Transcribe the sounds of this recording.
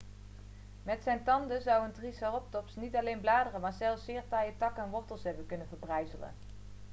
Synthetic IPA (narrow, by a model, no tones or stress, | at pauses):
mɛtsɛjntɑndəzɑwəntrisɑrɔp̚tɔpsnitɑlejnblaːdərəmaːɹzɛlˠfsɪːɹtɑjətɑkəɛnʋɔɹtəlˠsɦɛbənkɵnənvəɹbrɛjzələ̰n